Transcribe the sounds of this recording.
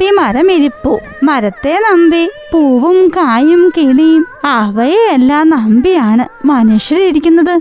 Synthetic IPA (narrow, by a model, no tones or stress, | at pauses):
imɐɾɐmiɾipːo | mɐɾɐt̪ːe̞nɐmbipuːʋumkaːjumkiːɳijumɐʋɐjeelːaːnɐmbijaːɳɨmɐnuːʂjɐɾiɾikʲːunːɐðɨ